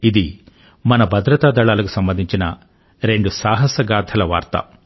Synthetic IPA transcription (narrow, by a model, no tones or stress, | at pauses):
id̪i | mɐnɐbʱɐd̪ɾɐt̪aːd̪ɐɭaːlɐku̥sɐmbɐnd̪ʱiɲt͡ʃinɐ | ɾe̞ɳɖusaːɦɐsɐɡaːd̪ʰʱɐlɐʋa̰ːɾt̪ɐ̰